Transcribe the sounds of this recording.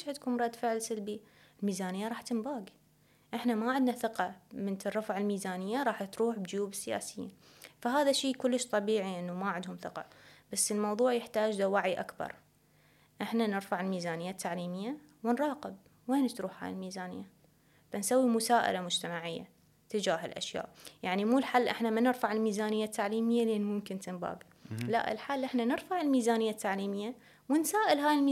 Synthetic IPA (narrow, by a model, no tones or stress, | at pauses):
ʃhat̪kuːnɾˤɑd̪ːfɪʕɪlsalbi | ɪlmiːzaːnɪjːaɾˤɑːħt̪ɪmbaːɡi | ʔɪħnamaʕɪd̪naθɪqɑmɪnt̪ɪrˤːɑfʕɪlmiːzaːnɪjːaɾˤɑːħt̪ɾuːħbɪd͡ʒjuːbɪsːɪja̰ːsɪjḭːn | faɦaːðaʃːiːkʊlːɪʃt̪ˤɑbiːʕiʔɪnːumaʕɪd̪hʊmθɪqɑ̰b̥asːɪlmɑwðˤuːʕjɪħt̪aːd͡ʒd̪awaʕiʔa̰kbɑ̰ɾˤ | ʔɪħnanɪɾfaʕɪlmiːzaːnɪjːat̪ʰːaʕliːmɪjːawɪnɾˤɑːqɪb̚ | weːnt̪ɾuːħha̰ːjɪlmiːzaːnɪjːa | fansawːimʊsaːʔɪ̰lamʊd͡ʒt̪amaʕɪjːa̰ | t̪ɪd͡ʒaːɦɪlʔa̰ʃja̰ːʔjaʕnimuːlħalːʔɪħnamanɪɾfaʕɪlmiːzaːnɪjːat̪ːaʕliːmɪjːalʔɪnmʊmkɪnt̪ɪnba̰ːɡ | la̰ʔɪ̰lħaːlːʔɪħnanɪɾfaʕɪlmiːzaːnɪjːat̪ːaʕliːmɪjːa | wɪnsaːʔɪlɦaːjɪlmː